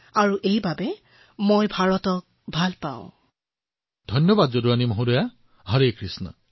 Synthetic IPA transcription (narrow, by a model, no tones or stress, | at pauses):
aɹuʔejbabɛ | mojbʱaɹɔtɔk̚ | bʱalpã̰ʊ̰̃ | d̪̥ʱɔjnjɔbad̪zoɾuanimɔɦũɾɔja | ɦɔɾekɹisnɔ̰